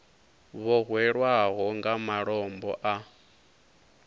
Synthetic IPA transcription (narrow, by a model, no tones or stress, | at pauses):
βɔɣwɛɺwaɣɔŋɡamaɺɔmbɔ̰ʔa